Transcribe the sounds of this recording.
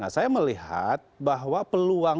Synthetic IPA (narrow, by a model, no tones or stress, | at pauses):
ŋa̰sajaməliɦa̰t̪̚baɦwapəlua